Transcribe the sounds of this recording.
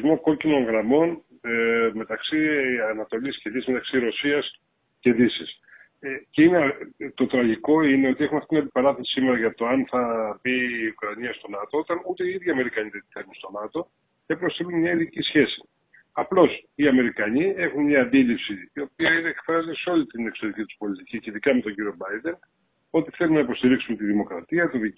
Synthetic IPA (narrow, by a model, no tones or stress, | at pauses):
zmo̞ko̞cino̞nɣɾɐmo̞n | me̞t̪ɐksiɐnɐt̪o̞lisce̞ðisizme̞t̪ɐksiɾo̞siɐs | ce̞ðisis | eceinet̪o̞t̪ɾɐʝiko̞ine̞o̞t̪ie̞xunɐft̪itinɐnd̪ipɐɾɐθesi̥simeɾɐʝɐt̪o̞ɐnθɐbiːukɾɐɲiɐst̪o̞nɐt̪oot̪ɐnut̪e̞iiðʝiɐme̞ɾikɐɲit̪et̪it̪emunst̪o̞nɐt̪o̞ | cepɾost̪elunmɲɐiðicisçe̞si̥ | ɐplo̞siɐme̞ɾikɐɲie̞xunmɲɐːnd̪ilipsiːo̞p̚iɐineekfɾɐzeseo̞lit̪ine̞kso̞ðicit̪u̥spo̞lit̪icicinðikɐme̞t̪o̞ɲɟiɾio̞bɐjd̪e̞n | o̞t̪iθe̞lumnɐipo̞st̪iɾiksumet̪iðimo̞kɾɐt̪iɐt̪oði